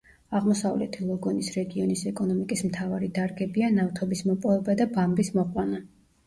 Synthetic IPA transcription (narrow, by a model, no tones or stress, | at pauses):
aʁmɔsavlɛ̰t̪ʰilˠɔɡɔnisɾɛɡiɔnisɛkʼɔnɔmikʼismt̪ʰavaɾid̪aɾɡɛbianaft̪ʰɔbismɔpʼɔvɛbad̪abambismɔqʼwana